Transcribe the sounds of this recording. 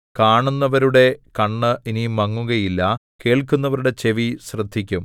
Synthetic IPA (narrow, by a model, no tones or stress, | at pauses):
kaːɳunːɐʋɐɾuɽe̞kɐɳːɨinimɐŋːuɣɐjilːɐ | ke̞ːɭkunːɐʋɐɾuɽe̞t͡ɕe̞ʋiɕrɨd̪ʱːikʲːum